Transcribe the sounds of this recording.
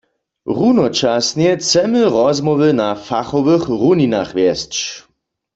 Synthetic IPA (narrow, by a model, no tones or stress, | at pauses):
ʁunɔt͡ʃasnjɛt͡sɛməʁɔzmɔʋənafaχɔʋəχʁunina̰χʋjɛst͡ʃ